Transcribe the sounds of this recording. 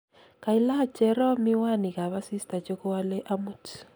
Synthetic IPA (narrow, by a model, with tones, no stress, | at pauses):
ka˨i˦la˦˨t͡ʃɛ˨ɾɔ˦mi˦wa˦˨ni˨ka˨βa˦si˦sta˨t͡ʃo˦ko˦wa˦lɛ˦ʔa˦mu˨t